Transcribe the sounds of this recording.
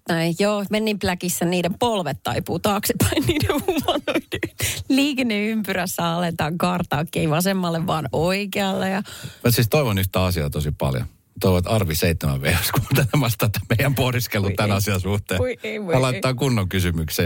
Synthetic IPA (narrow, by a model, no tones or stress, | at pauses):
noijoːmenːimplækisːænniːdempolʋet̪ːɑ̰ipuːt̪ɑːksepɑinniːdehhuʋɑnoinliːkenːeympyræsːæɑlet̪ɑːŋkɑrt̪ɑːkːieiʋɑsemːɑlːeʋʋɑːnoikeɑlːejɑmut̪sist̪oiʋonyht̪æːɑsiɑ̰ːt̪osipɑ̰ljo̰ | t̪oiʋot̪ɑrʋiseit̪ːemæ̰ʋʋḛrɑskut̪ænæmɑst̪ɑt̪ːæmeijæmpohdiskelːut̪ænɑsiɑsuht̪eːɑlɑit̪ːɑːkunːoŋkysymykse